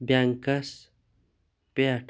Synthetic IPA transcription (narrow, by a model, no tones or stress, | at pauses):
bjaːŋkɐs | peaʈ